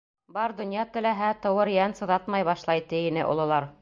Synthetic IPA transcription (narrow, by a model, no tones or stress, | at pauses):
bɑɾd̪ŏnjɑt̪ɘ̆læɦæt̪ɤ̆wɤɾjænsɤ̆ðɑt̪mɑjβɑʃlˠɑjt̪ɘ̆inɘ̰ʔŏ̰lˠɤ̆lˠɑɾ